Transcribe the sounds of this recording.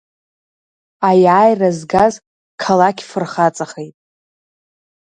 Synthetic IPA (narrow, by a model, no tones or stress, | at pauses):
ajaːjrazɡaz | kʰalakʲʰfɨrχat͡sʼaχejtʼ